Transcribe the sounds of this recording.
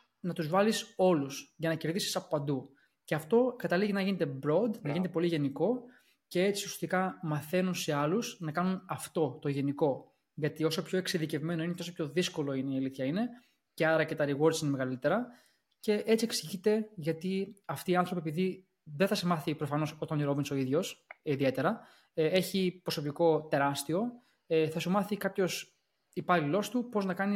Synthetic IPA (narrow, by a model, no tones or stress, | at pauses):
nɐt̪uzvɐliso̞lusʝɐnɐce̞ɾðisi̥sɐpo̥pɐnd̪u | ce̞ɐft̪o̞kɐt̪ɐliʝinɐjʝine̞t̪e̞bɾo̞d̪nɐʝinet̪e̞po̞liʝe̞niko̞ | ce̞e̞t͡siusiɐ̥st̪ikɐmɐθe̞nunse̞ɐluz̥nɐkɐnunɐft̪o̞t̪o̞ʝe̞niko̞ | ʝɐt̪io̞so̞pço̞e̞ksiðice̞vme̞no̞inet̪o̞sopço̞ðisko̞lo̞ineiɐliθçɐine̞ | ce̞ɐɾɐcet̪ɐɾiɣo̞ɾsineme̞ɣɐlit̪e̞ɾɐ | ce̞ʔe̞t͡sie̞ksiʝit̪e̞ʝɐt̪iɐft̪iːɐnθɾo̞piepiði | ðeθɐsemɐθipɾo̞fɐno̞so̞t̪ɐniɾo̞binso̞iðʝo̞siðie̞t̪e̞ɾɐ | e̞çipɾo̞so̞piko̞t̪e̞ɾɐst̪io̞ | θɐsumɐθikɐpço̞s | ipɐlilo̞st̪upo̞znɐkɐni